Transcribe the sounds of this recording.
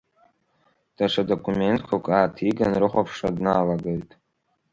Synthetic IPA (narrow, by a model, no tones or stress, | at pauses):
d̥aʂʰado̞kʷʰume̞ntʰkʷʰakʷʼaːtʰiɡanrɨχʷapʰʂadnaːlaɡejtʼ